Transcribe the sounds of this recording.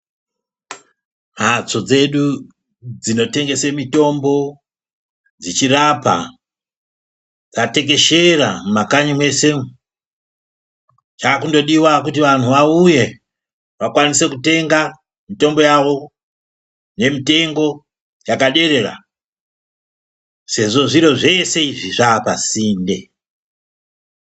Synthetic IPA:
mat͡so̞d͡ze̞ɗu | d͡zino̞te̞ŋɡe̞semito̞mbo̞ | d͡zit͡ʃirapa̰ | d͡zate̞ke̞ʃerammakaɲimwe̞se̞ | t͡ʃaːkundo̞ɗiwakutiʋan̤uʋauje̞ | ʋakwanise̞kute̞ŋɡa | mito̞mbo̞jaʋo̞ | ne̞mite̞ŋɡo̞ | jakaɗe̞ɾe̞ɾa̰ | se̞ʐo̞ʐiɾo̞ʐe̞se̞iʐiʐaːpasiːnde̞

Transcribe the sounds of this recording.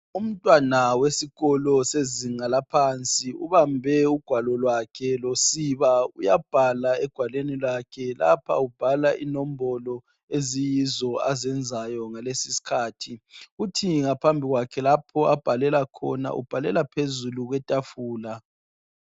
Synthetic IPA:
um̩tʼwanawesiɣɔlɔseziŋalapʰant͡sʼiṵβambʱɛuɡ̥ʱwalɔlwakʰɛlosiβaujab̥ʱalaɛɡ̥ʱwalenilakʰɛla̰pʰa̰ub̥ʱalaʔḭnɔm̩bɔlɔ | ezijizɔazɛnd͡zʱajɔŋalesisi̥kʰaːtʰiutʰiŋapʰambʱiɣwakʰɛlapʰɔab̥ʱalɛlakʰɔ̰na̰ʔṵb̥ʱalɛ̰lapʰezuluɣwɛtʼafuːla

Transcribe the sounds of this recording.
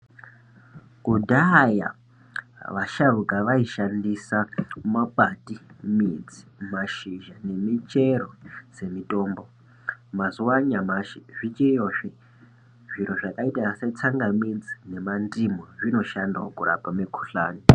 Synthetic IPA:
kudaja̰ | ʋaʃarukaʋaiʃandisamapʼatimid͡zi̥maʃiʒane̞mit͡ʃe̞ɾo̞se̞mitʼo̞ːmbo̞ | mazuwaɲamaʃiʐit͡ʃejoʂi | ʐiɾo̞ʐakaitaset͡saŋɡamind͡zine̞mandimoʐino̞ʃandokuɾa̰pamekʰu̥ɬa̰ːni

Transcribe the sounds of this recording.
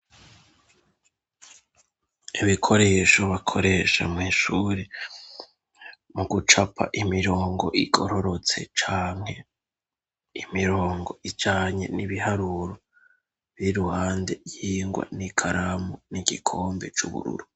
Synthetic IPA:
iβikʰo̞ɾe̞ːʃo̞βakʰo̞ɾe̞ːʃa̰mŋiːʃuːɾe | muɡut͡ʃapʰa̰ʔimiɾo̞ːŋɡo̞̰ʔiɡo̞̰ɾo̞ɾo̞t͡se̞̰t͡ʃaːŋ̥he̞ | imiɾoːŋɡo̞ʔid͡ʒaːɲe̞̰niβiɦaɾuːɾo | βɾiɾuhaːnde̞jiːŋɡwa̰nikʰaɾamoniɡikʰoːmbe̞̰t͡ʃuβṵɾṵɾu

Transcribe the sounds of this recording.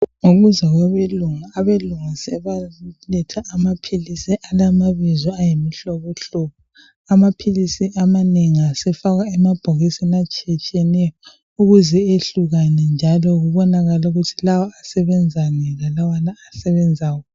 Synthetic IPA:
ŋoɣuzaɣwaβeluŋaːβeluŋasɛβalɛtʰaʔːmapʰilisiʔalamaβizɔajemiɬɔβɔɬupʰu | amapʰilisiʔamaneŋiasɛfaɣaɛmab̥ʱoɣisinat͡ʃʼit͡ʃʼɛnɛjɔ | uɣuzɛeɬuɣanɛnd͡ʒʱalɔɣuβɔnaɣalauɣutʰilawɔasɛβɛnd͡zʱanɛlalawanaːsɛβɛnd͡zʱaːwɔ

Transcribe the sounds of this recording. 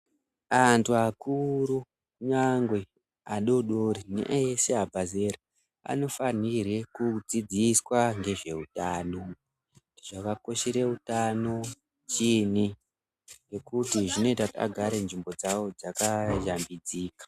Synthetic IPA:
antʰuakuru | ɲaŋɡwe̞ | aɗo̞ɗoɾinḛʔeseabʱazeɾa | a̰no̞fanire̞kud͡zid͡ziswaŋɡe̞ʐe̞utaːno̞ | tiʐakako̞ʃeɾe̞utano̞ | t͡ʃini | ŋɡe̞kutiʐino̞itautia̰ɡʱaɾenʐimbo̞d͡zawo̞d͡zakaʒambid͡ziːkḁ

